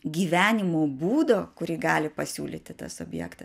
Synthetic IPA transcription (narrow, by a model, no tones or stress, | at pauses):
ɡʲiːʋʲæːnʲɪmoːbuːd̪oːkʊɾʲiːɡɑːlʲɪpɐsʲṵːlʲḭːt̪ʲɪt̪ɐ̰sʊbʲjɛ̰ːkt̪ɐs